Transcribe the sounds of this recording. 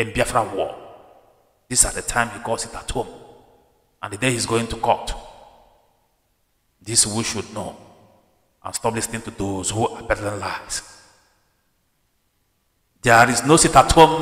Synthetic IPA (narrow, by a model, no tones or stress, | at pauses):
ɛ̃mbiafɹawɔ̰ | disadətʰãɪ̃mhiɡɔsitatʰom | ʔã̰ndədehizɡoĩŋtukɔt | diswiʃud̚no | ʔã̰nstɔplisnĩŋtudozhuʔabɛtlɛ̃nlaɪs | dɛɹiznositatʰom